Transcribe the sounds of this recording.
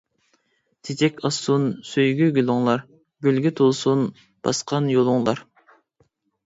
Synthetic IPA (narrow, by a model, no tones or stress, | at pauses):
t̪ʰid͡ʒɛkʲɑsunsøjɡʲyɡʲylˠʊŋlˠɑɾ | ɡʲylɡʲyt̪ʰolˠsun | b̥ɑ̰sqʰɑnjolˠuŋlˠɑɾ